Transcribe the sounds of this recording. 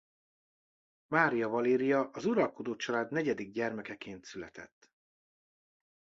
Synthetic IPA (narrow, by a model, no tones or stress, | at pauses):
maːɾijɒvɒleːɾijɒʔɒzuɾɒlko̞d̪oːt͡ʃɒlaːd̪nɛɟɛd̪iɡ̚ɟɛrmɛkɛkeːnt̪sylɛ̰t̪ʰɛ̰t̪ː